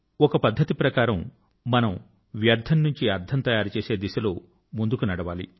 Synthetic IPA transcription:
ɔkɐpɐd̪ʱːɐt̪ipɾɐkaːɾɐmː | ɐnɐm | ʋjɐɾd̪ʱʰɐnːuɲt͡ʃiɐɾd̪ʰɐnt̪ɐjaːɾt͡ʃeːse̞ːd̪iʃɐloː | mund̪ukunɐɽɐʋaːlḭ

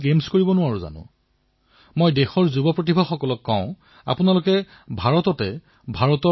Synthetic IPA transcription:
ɡemskoɹibɔnʊaɹʊ̃za̰nʊ̰̃ | mojdexɔɹzubɔpɹot̬ibʱaxɔkɔlɔkːãʊ̃ | a̰pʊnalʊkɛ | bʱaɹɔtɔtɛ | bʱaɹɔtɔ

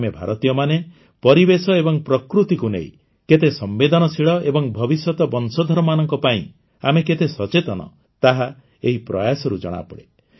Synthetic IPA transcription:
mebʱaɾɔt̪ijɔmane | pɔɾibesɔebɔŋpɾɔkɾut̪ikunḛḭ̃ | ket̪esɔmbed̪ɔnɔsiɭɔebɔŋbʱɔbisɔt̪ɔbɔnsɔd̪ʱɔɾɔmanɔŋkɔpaḭ̃ | ameket̪esɔt͡ʃet̪ɔnɔ̰ | t̪aɦa | eɦipɾɔjasɔɾud͡ʒɔ̰ɽ̃a̰pɔɽe

